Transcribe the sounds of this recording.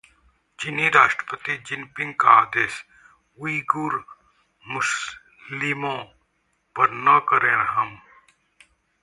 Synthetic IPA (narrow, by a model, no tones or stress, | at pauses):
d͡ʒɪniɾaːʃʈɾə̥pət̪id͡ʒɪnpɪ̃ŋɡkaaːd̪eːs | ʊiɡuɾ | mʊs | limõ | pɐɾnɐkəɾẽːnɦɐm